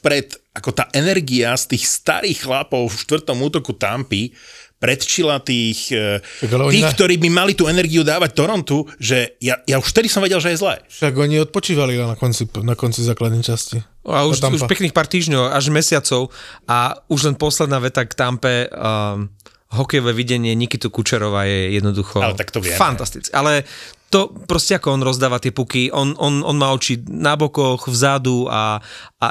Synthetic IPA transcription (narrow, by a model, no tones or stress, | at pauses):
pɾɛt̪akɔt̪aːʔɛnɛɾɡiast̪iːxst̪a̰ɾiːxxlapɔʊfʃt̪ʋr̩t̪ɔmuːt̪ɔkut̪a̰mpipɾɛt̪t͡ʃilat̪iːxaaiːkt̪ɔɾiːbimalit̪uɛnɛɾɡiud̪aːʋac̚t̪ɔɾɔnt̪uʒɛjajauʃft̪ɛd̪isɔmʋɛɟɛlʒɛjɛzlɛ̰ːʃaɡɔɲiɔt̪̚pɔt͡ʃiːʋalianakɔnt͡sinakɔnt͡sizaːklad̪nɛjt͡ʃasciauʃmuʃpɛkniːxpaːɾt̪iːʒɲɔʊaʒmɛsɪat͡sɔʊauʒlɛnpɔslɛd̪naːʋɛt̪akt̪ampɛ | ɦɔkɛjɔʋɛʋiɟɛɲɪɛɲikit̪ukut͡ʃɛɾɔʋajɛjɛd̪nɔd̪uxɔalɛt̪akt̪ɔʋɪɛ̰fant̪ast̪it͡skialɛt̪ɔpɾɔscɛakɔɔnɾɔzd̪aːʋat̪ɪɛpukiʔɔnɔnɔnmaːɔt͡ʃinabɔkɔɣvzad̪ua̰